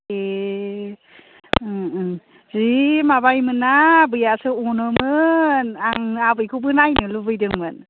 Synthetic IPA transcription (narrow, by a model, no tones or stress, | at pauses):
e | zimabajmɯnːabɯjasɯunɯmɯnaŋabɯjkʰubɯnajnɯlubɯjdɯŋmɯn